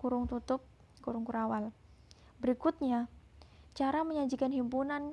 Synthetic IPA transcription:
kuɾʊŋt̪ut̪ʊp̚ | kuɾʊŋkuɾawal | bəɾikʊt̪̚ɲa | t͡ʃaɾaməɲad͡ʒikanɦimpunan

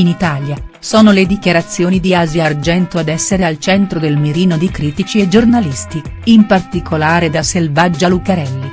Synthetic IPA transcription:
init̪aːlja | sɔːnoled̪ikjaɾat̪sːjoːnid̪iaziard͡ʒɛnt̪oad̪ɛsːeɾealt͡ʃɛnt̪ɾod̪elmiɾiːnod̪ikɾiːt̪it͡ʃied͡ʒornalist̪iimpart̪ikʰolaːɾed̪aselvad͡ʒːalukaɾɛlːi

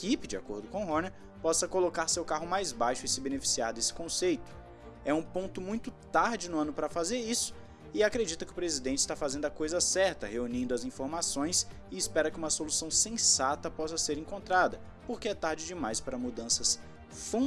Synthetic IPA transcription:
kipɪd͡ʒɪakoɾd̪ʊkõw̃ɦonɛɾ | pɔsɐkolokaɾsewkaɦʊmajzbajʃʊɪsɪbenefi̥siaɾd̪esɪ̥kõsejt̪ʊ̥ | ɛũpõnt̪ʊmũj̃t̪ʊt̪aɾd͡ʒɪnʊɐ̃nʊpɾɐfazeɾisʊ̥ | ɪakɾed͡ʒit̪ɐkɪʊpɾezid̪ẽnt͡ʃɪst̪afazẽnd̪ʊɐkojzɐsɛɾt̪ɐheunĩnd̪ʊɐzĩfoɾmasõj̃s | ɪɪspɛɾɐkɪũmɐsolusɐ̃w̃sẽsat̪ɐpɔsɐseɾẽŋkõnt̪ɾad̪ɐ | poɾkɪɛt̪aɾd͡ʒɪd͡ʒɪmajspaɾɐmud̪ɐ̃sɐs | fõ

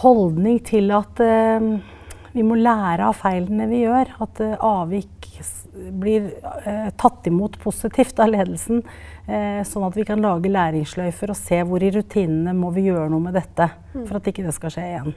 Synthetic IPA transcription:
hɔld̪nɪŋt̪ʰɪlɑt̪ | ʋɪmɔlæːɾəɑfæɪlənəʋɪjøːɾɑt̪ʔɑːʋɪk | blɪɾt̪ʰɑt̪ːɪmuːt̪pʰʊsɪt̪ʰiːft̪ɑleːd̪əlsn̩ | sɔnːɑt̪ʋɪkʰɑnlɑːɡəlæːɾɪŋslœʏfəɾɔseːʋʊɾɪɾʉt̪ʰiːnənəmɔʋɪjøːɾənuːəmɛd̪ɛt̪ːə | fɔɾɑt̪ɪkːəd̪ɛskɑʂeːɪjɛnː

